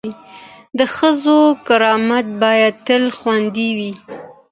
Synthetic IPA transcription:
i | d̪əxəzokaɾɑmat̪̚bɑjad̪̚t̪əlxwand̪iwi

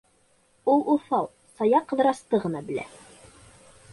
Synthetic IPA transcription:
ulˠuθɑlˠ | sɑjɑqːɤ̆ðɤ̆ɾɑst̪ɤʁɤ̆nɑbɘ̆læ̰

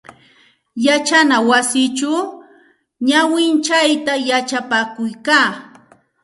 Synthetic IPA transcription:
jat͡ʃanawasɪt͡ʃa | ɲawɪnt͡ʃajt̪ajat͡ʃapakʊjkaː

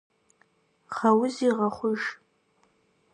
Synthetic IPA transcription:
χawʊziʁaχʷʊʒ

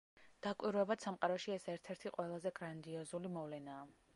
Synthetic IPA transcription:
d̪̥akʼwiɾwɛbad̪̥samqʼaɾɔʃiɛsɛɾt̪ʰɛɾt̪ʰiqʼwɛlˠazɛɡɾand̪iɔzulimɔvlɛnaː

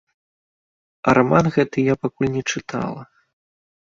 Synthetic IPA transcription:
ɐɾamanɣɛt̪ɨjapakulʲnʲɛt͡ʂɨt̪ʰa̰lˠɐ

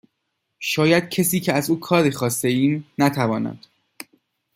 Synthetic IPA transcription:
ʃɒːjæd̪̥̚cʰesiːcʰeæzuːkʰɒːɾiːxɒːst̪e̞iːmnæt̪ʰævɒːnæ̰d̪̥

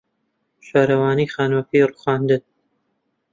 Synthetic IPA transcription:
ʃaːɾɐwaːniːχaːnwɐfiːruχaːnd̪ɨt̪

